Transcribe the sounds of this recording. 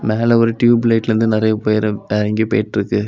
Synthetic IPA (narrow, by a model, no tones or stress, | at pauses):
meːlɛɔɾɯʈjuːbɪleːʈːɾɯnd̪ɯnɪɾɐjɐpoːjɐɾɐɛɾɐŋɡupḛːʈːɪɾɯkːɯ